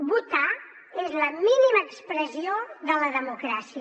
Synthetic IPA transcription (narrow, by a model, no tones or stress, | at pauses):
βut̪a | ezləminiməːkspɾəzioðələðəmukɾasiə